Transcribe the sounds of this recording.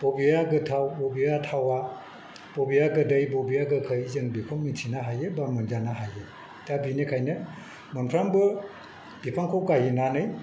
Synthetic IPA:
b̥ɔbijaɡɯtʰawbɔbiatʰawa | b̥obijaɡɯdɯjbɔbijaɡɯkʰɯjizɯŋbipʰɔmmitʰinaɦajɯbamɯnd͡ʒanaɦaje | dabinekʰajnɯ | mɯnpʰɾambɯ | b̥ipʰaŋkʰokaɦinanɯj

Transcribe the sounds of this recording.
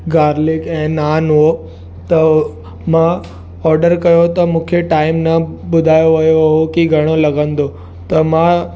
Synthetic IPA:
ɡaːɾlɪkɛ̃ːnaːnɦo | t̪ɐ | mã | ɔːɾɖəɾkɐjot̪ɐmũːkʰeʈaːɪmnɐʊd̪ʱaːjoʋɐjoɦokiɡʱɐɽ̃olɐɡə̃nd̪o | t̪ɐmã

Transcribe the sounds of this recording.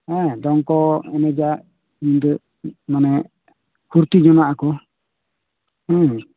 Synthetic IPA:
ɛd̪ɔŋkɔɛnɛd͡ʒa | ɲind̪ə | manɛ | kʰuɾt̪id͡ʒɔnaʔakɔ | ɛ

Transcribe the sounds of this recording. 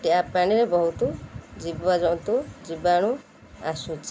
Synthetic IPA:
ʈeapaɽ̃iɾebɔɦut̪ud͡ʒibɔad͡ʒɔw̪̃t̪ud͡ʒibaɽ̃u | a̰sut͡ʃʰi̥

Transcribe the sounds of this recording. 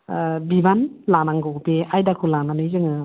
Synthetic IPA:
bibanlanaŋɡɯupeajdakʰulananɯjzɯŋɯ

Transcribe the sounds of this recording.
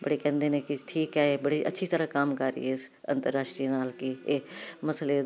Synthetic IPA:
bəɽeːkɛ̃ːnd̪eːnẽːkɪʈʰiːkɛːeːbəɽiːʔə̰tːʃʰiːt̪əɾãːkamkaɾḭːɪsə̰̃nt̪əɾːaːʃʈɾinaːlkɪeːməsleː

